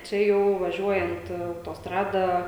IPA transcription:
t͡ʃʲɛ ˈjɛʊ ʋɐˈʒʲuɔjɛnt ɐʊtoːsˈtrɑːdɐ

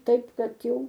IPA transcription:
ˈtɐɪp ˈkɐt ˈjɛʊ

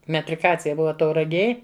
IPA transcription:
mʲɛtʲrʲɪˈkɑːt͡sʲɪjɛ ˈbʊʋɐ tɐʊrɐˈɡʲeːj

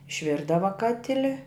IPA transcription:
ɪʃʲˈʋʲɪrdɐʋɐ ˈkɑːtʲɪlʲɪ

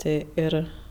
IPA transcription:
ˈtʲeː ˈɪr

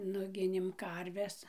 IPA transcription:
ˈnʊɡʲɪnʲeːm ˈkɐrʲʋʲɛs

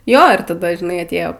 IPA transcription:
ˈjoː ɪr tɐˈdɐ ʒʲɪˈnɐɪ ɐtʲˈeːjoː

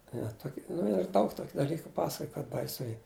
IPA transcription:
ɪ ʋɐ ˈtoːkʲɪ nʊ ɪr ˈdɐʊk ˈtoːkʲɪ dɐˈlʲiːkʊ ˈpɑːsɐkoːj kɐt bɐɪˈsʊ ˈiː

